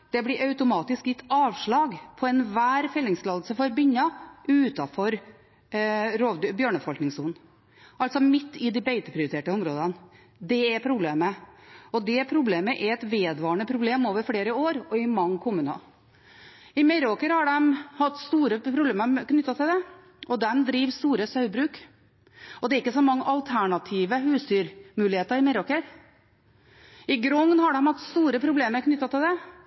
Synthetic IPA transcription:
d̪̥ɛblɪɾʔɑʉt̪ʊmɑːt̪ɪskjɪt̪ʰːɑːʋʂɭɑːɡpʰɔɛnʋæːɾfɛlːɪŋslɑːd̪l̩səfɔɾbʏɲːɑʔʉːt̪ɑfɔɾ | ɾoːd̪bjøːɳəfɔlknɪŋsuːnn̩ | ʔɑlt̪sɔmɪt̪ːɪd̪ɪbeɪt̪əpʰɾɪʊɾɪt̪ʰeːʈəʊmɾoːd̪ən | d̪ɛɛpʰɾʊbleːməɔd̪ɛpʰɾʊbleːməʔɛɛt̪ʋeːd̪ʋɑːəɳəpʰɾʊbleːmoːʋəɾfɽeːɾəoːɾɔɪmɑŋːkʰʊmːʉːnɑ̰ | ɪmɛɾoːkəɾhɑɖɛmhɑt̪ːst̪uːɾəpʰɾʊbleːməɾknʏt̪ːɑt̪ʰɪld̪ɛ | ʔɔd̪ɛmd̪ɾiːʋst̪uːɾəsɑʉbɾʉːk | ɔd̪ɛæɾɪkːəsɔmɑŋːəʔɑlt̪ʰæɳɑt̪ʰiːʋəhʉːst̪yːɾmʉːlɪheːt̪əɾɪmɛɾoːkəɾ | ɪɡɾɔŋnhɑɖɛmhɑt̪st̪uːɾəpʰɾʊbleːməɾkʰnʏt̪ːɑt̪ɪld̪ɛ

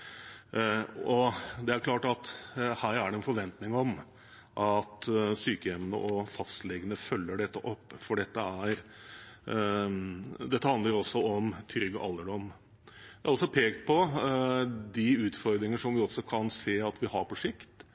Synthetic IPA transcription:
ɔd̪ɛæɾkʰlɑːʈɑt̪hæːɾæɖɛɛnfɔɾʋɛnt̪nɪŋɔm | ʔɑt̪syːkəɛmnə̰ʔɔfɑst̪lɛɡənəfœlːəɖɛt̪ːəʔɔpːfɔɖɛt̪ːəæɾ | d̪ɛt̪ːəhɑnd̪ləɾɔsːɔɔmt̪ʰʏɾɡɔʔɑlːəɖɔm | d̪ææɾɔlsɔpʰeːɡt̪̚pʰɔ | d̪ɪʉːt̪fɔɾd̪ɾɪŋəʂɔmʋɪɔsːɔkʰɑnseːɑt̪ʋɪhɑɾpʰɔʂɪkt̪

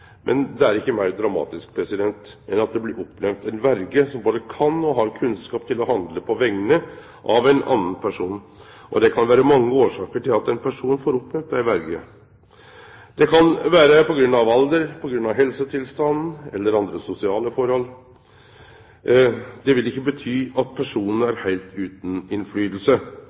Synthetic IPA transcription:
mʔɛ̰nd̪ɛæɾɪkːəmæɪɾd̪ɾɑmɑ̰ːt̪ɪskpʰɾɛsɪd̪ɛnt̪ɛnɑt̪̚d̪ɛblɪɾɔpːnɛmt̪æɪnʋæɾɡəsɔmboːd̪əkʰɑnːɔɦɑɾkʰʉnskɑːpt̪ʰɪlɔɦɑnd̪ləpʰɔʋɛŋːənə | ʔɑʋæɪnɑ̰nːənpʰæʂuːn | ʔɔ̰d̪ɛkʰɑnʋæːɾəmɑŋːəoːʂɑːkəʈɪlɑt̪ɛnpʰæʂuːnfoːɾɔpːnɛmt̪̚d̪æɪʋæɾɡə | d̪̥ɛkʰɑnʋæːɾəpɔɡɾʉnːɑʋɑld̪əɾpʰɔɡɾʉnːɑʋɦɛlsət̪ʰɪlst̪ɑnn̩ɛlːəɾɑnd̪ɾəsʊsɪɑːləfɔɾhɔlː | d̪ɛʋɪlɪkːəbət̪ʰyːɑt̪̚pʰæʂuːnən̩æɾhæɪlt̪ʉːt̪n̩ɪnflyːd̪l̩sə

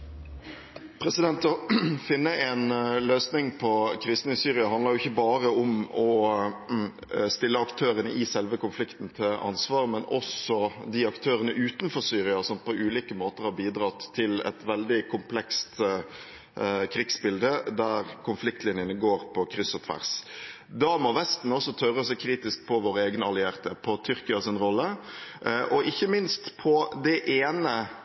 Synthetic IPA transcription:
pʰɾɛsɪd̪ɛnt̪ɔfɪnːəɛnløːsnɪŋpʰɔkʰɾɪst̪nəɪsyːɾɪɑɦɑnləɾjʊɪçːəbɑːɾəʊmɔ | st̪ɪlːəɑkt̪ʰøːɾənəʔɪsɛlʋəkʊnflɪkt̪n̩t̪ʰɪlʔɑ̰nsʋɑːɾmɛnɔ̰sɔd̪iɑkt̪ʰøːɾənəʔʉːt̪nfɔɾsyːɾɪɑsɔmpʰɔʔʉːliːkəmoːt̪əɾhɑɾbiːd̪ɾɑt̪ʰːɪlɛ̰t̪ʋɛld̪ɪkʰʊmpʰlɛkst̪ | kʰɾiːɡsbɪld̪əd̪æɾkʰʊnflɪk̚t̪lɪnjənəɡoːɾpʰɔkʰɾʏsːɑt̪ʰʋæ̰ʁs | d̪ɑːmɔʋɛst̪n̩ɔsːɔt̪ʰœɾəɔsæɪkʰɾiːt̪ɪsk̚pʰɔʋoːɾəeːɡnəɑlɪæːɾt̪ʰɛpʰɔt̪ʰʏɾkɪɑsɪnɾɔlːə | ʔɔʔɪçːəmɪnst̪pʰɔd̪ɛʔeːnə

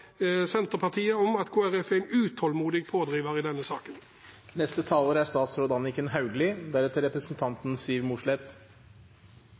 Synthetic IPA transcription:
sɛnt̪əpʰɑʁt̪ʰiːəɔmɑt̪kʰoːæʁɛfɛɪnʉːt̪hɔlmuːd̪ɪɡpʰoːd̪ʁiːʋəʁiːd̪ɛnːəsɑːkən | nɛst̪ət̪ʰɑːləɾæst̪ɑːt̪sɾɔd̪ɑnɪkənhɑʉɡlɪd̪æɾɛt̪əɾɛpɾəsn̩t̪ʰɑnt̪n̩siːəɾmuʂlɛt̪

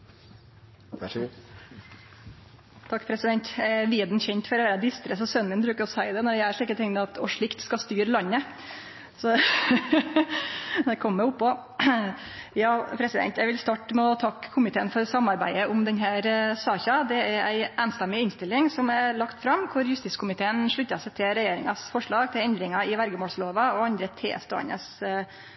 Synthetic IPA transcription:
t̪ʰɑkːpʰɾɛsɪd̪ɛnt̪jæʋiːd̪n̩çɛɲt̪fɔɾɔʋæːɾəd̪ɪst̪ɾəsɔsœnmənbɾʉːkəɾɔsæɪd̪ɛnɔɖɛæʂɭiːkːət̪ʰɪŋɛɑt̪ʰɔʂɭɪkt̪skɑst̪yːɾlɑɲːə | sɔ | d̪ɛkʰɔmːɛʊpːɔ | jɑːpʰɾɛsɪd̪ɛ̰nt̪jæʋɪlst̪ɑʈːmɛɔt̪ʰɑkʰːʊmɪt̪ʰeːənfɔɾsɑmːɑɾbæ̰ɪəʔʊmd̪ɛnɦæːɾsɑːçɑd̪ɛæɾæɪʔæːnst̪ɛmːɪɪnst̪ɪlːɪŋsɔmæɭɑkt̪fɾɑmːkʰʊɾjʉst̪ɪskʰʊmɪt̪ʰeːənʂɭʉt̪ːɑsæɪt̪ʰɪlɾɛjeːɾɪŋɑsfɔʂɭɑːɡt̪ʰɪlɛnd̪ɾɪŋɑɪʋæɾɡəmoːɭsloːʋɑɔɑnd̪ɾət̪ʰḛːst̪o̰ːə̰nə̰s

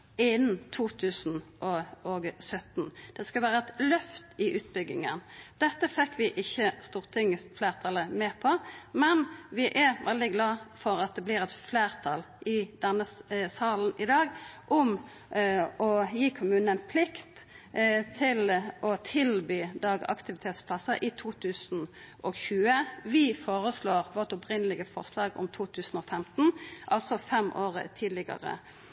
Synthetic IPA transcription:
ɪnnt̪ʰuːt̪ʰʉːsn̩ʔɔoːɡsœt̪nd̪̥ɛskɑlʋæːɾəɛt̪lœft̪ɪʔʉːt̪̚bʏɡːɪ̰ŋə̰nd̪̥ɛt̪ːəfɛkːʋɪʔɪçːəst̪uːʁət̪ʰɪŋəfleːʁt̪ʰɑləmeːpʰɔmɛnʋɪʔæʋɛld̪ɪɡlɑːfɔɾɑt̪̚d̪ɛblɪːɾɛt̪fleːʁt̪ʰɑl | ʔɪd̪̥ɛnːəsɑːln̩ɪd̪ɑːɡʔʊm | ɔjiːkʰʊmʉːnənpʰlɪkt̪ | t̪ʰɪlɔt̪ʰɪlbyːd̪ɑːɡɑ̰kt̪ɪʋɪt̪ʰeːt̪spʰlɑsəʔɪt̪ʰuːt̪ʰʉːsn̩ | ʔɔçʉːəʋɪfoːʁəsloːʁʋoʁt̪ʊpʁɪnəlɪɡəfɔʁslɑːɡʊ̰mt̪ʰuːt̪ʰʉːsn̩ɔfɛmt̪n̩ʔɑlsɔfɛmʔoːʁə̰t̪ʰiːd̪lɪɡɑ̰ʁə̰

